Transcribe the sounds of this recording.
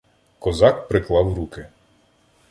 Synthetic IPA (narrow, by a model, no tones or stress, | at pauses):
kɔzɑk̚pɾɪklˠɑwɾukɪ